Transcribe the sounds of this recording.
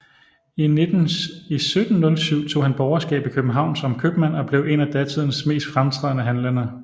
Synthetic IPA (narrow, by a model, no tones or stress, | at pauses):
ined̥n̩isød̥n̩ːɔ̽lsyʊ̰t͡sʰo̝̰ːhænb̥ɒʊɐsɡ̥ɛ̰ːb̥ikʰøb̥̩ɦɑ̈ʊ̰nsɒ̽mkʰøb̥mæn̰ɒ̽b̥le̝ʊe̝næd̥æt͡sʰið̞̰ˠnəsme̝̰ːsd̥fʁamt͡sʰʁɛð̰ˠnəɦænlənɐ